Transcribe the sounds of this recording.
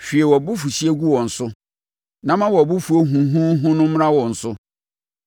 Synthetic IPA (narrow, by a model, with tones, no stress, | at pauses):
fᶣi˨e˨wɔ˨bʊ˦fu˨si˦e˦ɡu˦wɔ̃˨n̩˨sʊ˦ | nã˨mã˦wɔ˨bʊ˦fu˨o˦ɦũ˨ɦũ˦ɦʊ̃˦nʊ̃˦m̩˦ɾã˦wɔ̃˨n̩˨sʊ˦